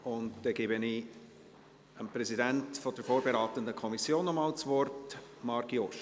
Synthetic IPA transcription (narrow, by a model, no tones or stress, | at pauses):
ʊndd̥ɛɡ̥ɪbəni | əmprɛzidæntfɔd̥əɾfoːɾbeɾɑːtəndəkʰɔmisjoːnːɔmɑːlt͡svɔrtmɑɾɡ̥ioʃ